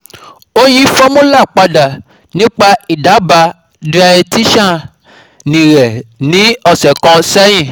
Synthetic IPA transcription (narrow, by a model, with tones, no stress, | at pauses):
o˦j̃ĩ˦fɔ˦mũ˦la˦˨k͡pa˧da˨ | nĩ˦k͡pa˧i˨da˨˦ba˧ | di˦a˧ɛ˧ti˦ʃã˦˨ | nĩ˨ɾɛ˨nĩ˨˦ɔ˧˨sɛ˨kɔ̃˧sɛ˦j̃ĩ˦˨